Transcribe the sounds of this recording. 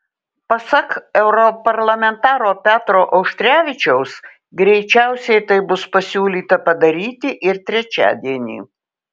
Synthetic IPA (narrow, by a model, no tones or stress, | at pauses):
pɐsɐkɛʊɾɔpɐɾlˠɐmʲɛnt̪ɑːɾoːpʲæːt̪ɾoːʔɐʊʃʲt̪ʲɾʲæːʋʲɪt͡ʃʲɛʊs | ɡɾʲɛɪt͡ʃʲæˑʊsʲɛɪt̪ɐɪbʊspɐsʲuːlʲiːt̪ɐpɐd̪ɐɾʲiːt̪ʲɪʔɪɾt̪ʲɾʲɛt͡ʃʲæ̰ːd̪ʲiɛnʲḭː